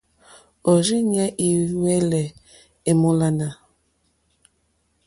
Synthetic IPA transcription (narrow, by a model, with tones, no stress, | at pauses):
o˨ɾi˦ɲɛ˦ʔi˨wɛ˦lɛ˨ | e˨mo˦la˦na˨